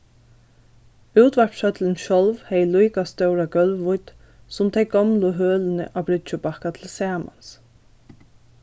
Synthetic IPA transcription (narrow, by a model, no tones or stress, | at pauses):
ʉwt̪ʋæɹpʃœt̪lənʃɔlʋhɛjlujkast̪œwɾaɡœlʋːʊjt̪ | sʊmt̪ʰɛj̚ɡɔmlʊɦøːlɪnə̰ʔabɾɪt͡ʃʊpahkat̪ʰɪlsæːma̰ns